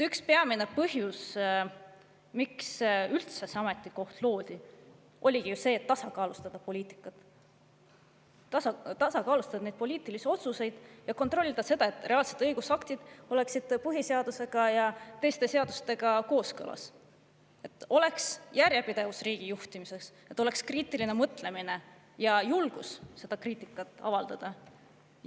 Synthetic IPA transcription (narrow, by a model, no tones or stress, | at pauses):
t̪ykspeɑmine̞pɤɦjus | miksylt̪sesɑme̞t̪ːˑiko̞ht̪lo̞ːd̪̥i | ʔo̞lʲiɡ̥ijuse̞ːt̪ːɑsɑkɑːlust̪ɑd̪̥ɑpo̞lʲiːt̪ˑi̥kːˑɑt̪ | ɑt̪ɑsɑkɑːlust̪ɑd̪ɑnejd̪̥̚po̞lʲiːt̪ˑilisio̞t̪suse̞jd̪̥jɑko̞nt̪ˑro̞lʲːid̪̥ɑse̞d̪ɑe̞t̪ːˑre̞ɑːlse̞t̪ːɤjɡ̥usɑkt̪id̪̥o̞le̞ksid̪̥pɯɦise̞ɑd̪̥use̞ɡ̥ɑjɑt̪e̞jst̪e̞se̞ɑd̪̥ust̪e̞ɡ̥ɑko̞ːskɤ̰lɑ̰s | e̞t̪ːˑo̞le̞ksjærjepid̪e̞vusriːɡ̥ijuht̪imise̞kset̪ːˑo̞le̞kskriːt̪iline̞mɤt̪ːˑle̞mine̞ | jɑjulɡ̥usːe̞d̪̥ɑkriːt̪ˑikːˑɑt̪ːˑɑ̰vɑld̪̥ɑd̪̥ɑ